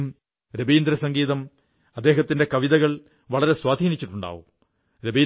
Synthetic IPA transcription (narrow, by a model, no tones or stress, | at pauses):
m | ɾebiːnd̪ɾɐsɐŋɡiːðɐm | ɐd̪ːe̞ːɦɐt̪ːinde̞kɐʋiðɐɣɐɭ | ʋɐɭɐɾe̞swaːd̪ʱiːnit͡ɕːiʈːuɳɖa̰ːʋum | ɾebiː